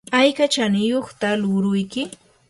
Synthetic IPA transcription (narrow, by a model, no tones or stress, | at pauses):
ajkat͡ʃanɪjoχt̪alʊɾʊjkɪ